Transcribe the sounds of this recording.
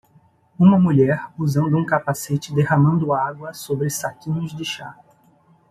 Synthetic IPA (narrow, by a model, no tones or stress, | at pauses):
ũmɐmuʎɛɾuzɐ̃nd̪ʊũkapaset͡ʃɪd̪ehɐmɐ̃nd̪ʊaɡwɐsobɾɪsakĩɲʊzd͡ʒɪʃa